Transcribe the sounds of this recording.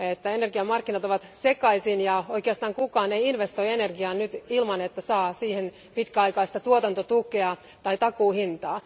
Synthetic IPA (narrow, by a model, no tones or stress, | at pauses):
et̪ːæenerɡiɑmɑrkːinɑt̪oʋɑt̪sekɑisinjɑoikeɑst̪ɑːŋkukɑːneiinʋest̪oienerɡiɑːnnyt̪ilmɑnet̪ːæsɑːsiːhen | pit̪kæɑikɑːst̪ɑt̪uot̪ɑnt̪ot̪ukeɑ | t̪ɑit̪ɑkuːhint̪ɑː